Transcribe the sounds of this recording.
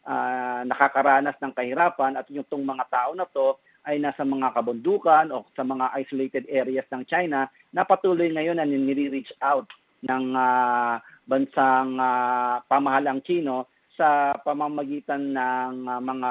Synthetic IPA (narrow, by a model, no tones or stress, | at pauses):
ʔanɐkakɐɾaːnɐsnɐŋkɐhɪɾaːpɐnɐt̪jʊŋt̪oŋmɐŋat̪aːʔo̞nɐt̪o̞ | ʔɐjnasɐmɐŋakɐbʊnd̪uːkɐno̞sɐmɐŋaʔajsolejt̪ɛd̪ʔɛɾɪjɐsnɐŋt͡ʃajnɐ | nɐpɐt̪uːlojŋɐjo̞nːɐnɪnɪɾiɾit͡ʃawt̪̚ | nɐŋa | bɐnsaŋapɐmɐhalɐŋt͡ʃiːno̞ | sɐpɐmamɐɡiːt̪ɐnːɐŋmɐŋa